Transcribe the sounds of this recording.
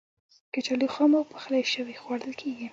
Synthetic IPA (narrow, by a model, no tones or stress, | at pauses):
kat͡ʃalixɑmawpə̥xlajʃəwixwaɽəlkʰeɡi